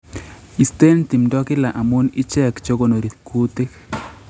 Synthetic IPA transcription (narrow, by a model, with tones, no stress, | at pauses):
i˨st̪e˦nt̪i˨mdɔ˦kɪ˦la˨ʔa˨mu˦nɪ˦t͡ʃɛ˦kt͡ʃo˦ɡo˦no˨ɾi˨t̪ku˦t̪e˦k